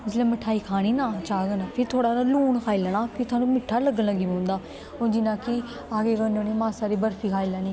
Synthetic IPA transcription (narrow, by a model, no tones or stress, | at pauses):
ɪsleːməʈʰaːiːkʰaːñiːnaːt͡ʃaːɡənpʰɪɾt̪ʰoːɽaːd̪aːluːnkʰaːiːlənaːpʰɪɾt̪ʰaːnũːmɪʈʰːaːləɡənləɡimõːnd̪aː | od͡ʒɪnãːkɪ | aːɡeːkənoːniːmaːsaːɾiːbəɾpʰiːkʰaːilaːniː